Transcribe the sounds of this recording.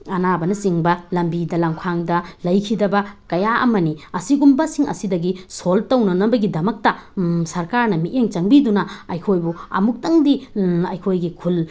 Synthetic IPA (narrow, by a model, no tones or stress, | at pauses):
ɐnabɐnɐsiŋbɐlɐmbidɐlaŋkʰaŋdɐlɐjkʰidɐbɐkɐjaʔɐ̰mɐniɐsiɡumbɐsiŋɐ̰sidɐɡisoltɐwnɐnɐbɐɡidɐmɐk̚tɐsɐɾkaɾnɐmiʔeŋt͡ʃɐŋbidunɐɐjkʰojbuɐ̰muk̚tɐŋdiɐjkʰojɡikʰul